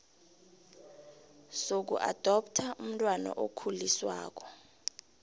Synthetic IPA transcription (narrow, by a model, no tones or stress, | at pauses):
sok̬ṵʔa̰d̥ʱɔp̚tʰaʔum̩tʼwana̰ʔokʰuliswa̰ːk̬ɔ